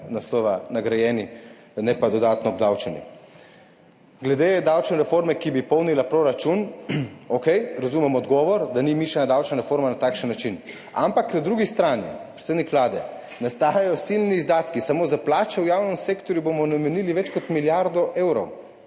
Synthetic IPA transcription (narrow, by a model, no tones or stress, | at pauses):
naslɔʋanaɡɾajɛni | nɛpad̪ɔd̪aːt̪nɔb̚d̪awt͡ʃɛnḭ | ɡlɛd̪ed̪awt͡ʃnɔɾɛfoɾmɛkibipɔwnilapɾoɾat͡ʃunokɛjɾazuːmɛmɔd̪ɡɔːʋɔɾd̪animiʃanad̪awt͡ʃnaɾɛfoɾmanat̪aːkʃənːat͡ʃin | a̰mpaknad̪ɾuːɡist̪ɾanḭpɾe̥t̪seːd̪nikʋlaːd̪ɛ | nast̪aːjajɔsilniːzd̪aːt̪kisamozaplaːt͡ʃɛwjawnɛmseːkt̪ɔɾjubomɔnamɛniliʋɛt͡ʃkɔt̪miljaɾd̪ɔʔeːwɾɔw